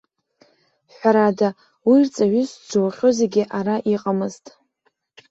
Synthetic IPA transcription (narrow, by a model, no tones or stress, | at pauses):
ħʷᶣaɾada | wirt͡sʼaɥʏsd͡ʒowaχʲoze̞ɡʲɪʔaɾaʔiqʼamɨztʼ